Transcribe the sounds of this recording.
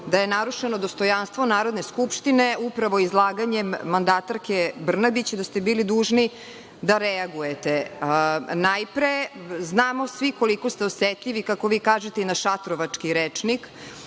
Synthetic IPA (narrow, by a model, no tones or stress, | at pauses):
d̪ajenaɾuʂenod̪o̞st̪o̞janst̪ʋonaːɾo̞d̪neskupʃt̪ineupɾaʋo̞izlˠaːɡaɲemːand̪at̪aɾkebr̩nabit͡ɕd̪ast̪ebiːlid̪uːʒni | d̪aɾeaɡujet̪e | najpɾeznaːmosʋiko̞liko̞st̪eoset̪ʎiʋikako̞ʋiːkaːʒet̪einaʃat̪ɾoʋat͡ʂkiɾet͡ʂnik